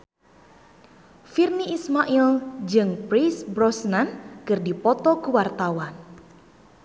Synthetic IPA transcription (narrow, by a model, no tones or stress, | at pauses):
firniʔːsmaʔild͡ʒɨŋpɾisbɾɔsnankɨrdipɔt̪ɔkuwart̪awan